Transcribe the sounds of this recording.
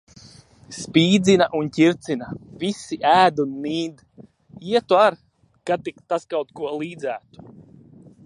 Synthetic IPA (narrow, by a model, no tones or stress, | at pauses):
spʲiːd̪zinaʔuncʲiɾt̪sinavisiʔæːd̪unːiːd̪ | iɛt̪uaɾ | kat̪ikt̪askawt̪kuɔlˠiːd̪zæːt̪u̥